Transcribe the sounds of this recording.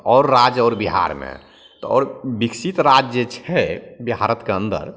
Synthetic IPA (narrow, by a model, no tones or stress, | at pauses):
ɔːɾːad͡ʒɔːɾbiɦa̰ɾmḛ̃ | t̪ɔɔ̰ːɾbiksit̪ɾad͡ʒjət͡ʃʰɛbiɦaɾət̪keə̃nd̪ə̰ɾ